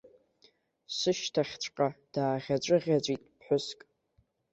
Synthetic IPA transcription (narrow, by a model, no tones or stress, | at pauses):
sɨʃtʰaχʲt͡ɕʷʰʼqʼad̥aːʁʲat͡ʃʷʼɨʁʲat͡ɕʷʼitʼpʰħʷʊskʼ